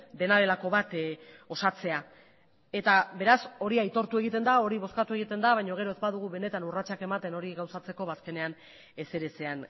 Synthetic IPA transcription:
d̪e̞naðe̞lako̞βat̪o̞sat͡se̞a | e̞t̪aβe̞ɾaso̞ɾiajt̪o̞ɾt̪ue̞ɣ̞it̪e̞nd̪ao̞ɾiβ̞o̞skat̪ue̞ɣit̪e̞nd̪aβajɲo̞ɣ̞e̞ɾo̞ezbaðuɣ̞uβe̞ne̞t̪anurat͡ʃake̞mat̪e̞no̞ɾiɣawsat͡se̞ko̞βaːske̞ne̞an | e̞se̞ɾesean

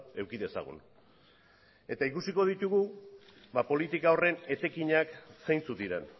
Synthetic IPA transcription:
e̞wkiðe̞sa̰ɣ̞ṵn | e̞t̪aikusiko̞ðit̪uɣu | βapo̞lit̪ikao̞re̞ne̞t̪e̞kiɲakse̞jnt͡sut̪iɾe̞n

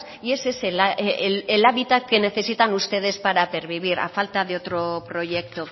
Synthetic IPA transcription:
ie̞seelaelaβit̪ake̞ne̞θe̞sit̪anust̪e̞ð̞e̞spaɾape̞ɾβiβ̞iɾa̰falt̪aðeot̪ɾo̞pɾo̞ʝe̞k̚t̪o̞

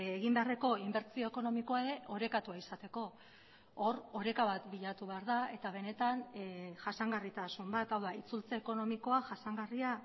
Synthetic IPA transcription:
eɣimbe̞areko̞imbe̞ɾt͡sio̞eko̞no̞miko̞aeɾe̞ʔo̞ɾe̞kat̪uaisat̪e̞ko̞ | oɾo̞ɾe̞kaβat̪biʎat̪uβe̞aɾðae̞t̪aβ̞e̞ne̞t̪anʝasaŋɡarit̪asumbat̪awðait͡sult͡seːko̞no̞miko̞aʝasaŋɡaria

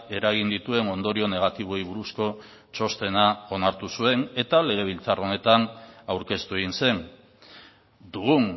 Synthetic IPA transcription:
e̞ɾaɣ̞ind̪it̪ue̞no̞nd̪o̞ɾio̞ne̞ɣ̞at̪iβ̞o̞iβuɾusko̞ | t͡ʃo̞st̪e̞nao̞naɾt̪usue̞ne̞t̪ale̞ɣ̞e̞β̞ilt͡saro̞ne̞t̪anawɾke̞st̪ue̞ɣinse̞n | d̪uɣun

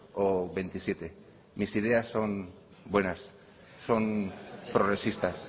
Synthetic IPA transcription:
oβe̞jnt̪isje̞t̪e̞ | misiðe̞asːo̞n | bwe̞nasː | o̞npɾoɣɾe̞sist̪as

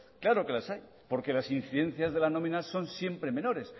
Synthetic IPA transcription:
klaɾo̞ke̞lasaj | po̞ɾke̞lasin̟θiðe̞n̟θjazðe̞lano̞mĩnaso̞nsje̞mpɾe̞mẽ̞no̞ɾe̞s

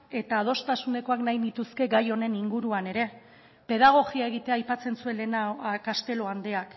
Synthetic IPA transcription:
e̞t̪aːð̞o̞st̪asune̞ko̞aknajnit̪uske̞ɡajo̞ne̞niŋɡuɾuane̞ɾe̞ | pe̞ðaɣ̞o̞ɣiae̞ɣ̞it̪eaːjpat͡se̞nsue̞nlenakast̪e̞lo̞and̪e̞ak

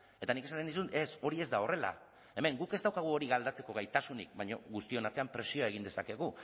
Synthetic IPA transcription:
e̞t̪anike̞sant̪enisue̞so̞ɾie̞zd̪ao̞re̞la̰ | e̞me̞ŋɡuke̞zd̪awkaɣ̞uo̞ɾiɣald̪at͡se̞ko̞ɣ̞ajt̪asunḭk̚baɲo̞ɣust̪io̞naɾt̪eampɾe̞sio̞aeɣind̪e̞sake̞ɣu

